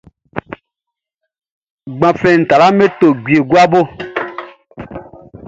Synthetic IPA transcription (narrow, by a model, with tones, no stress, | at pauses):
ɡ͡bã˨fɛ̃˨n̩˨ta˨la˦me˦to˨ɡi˨e˨ɡwa˦bo˦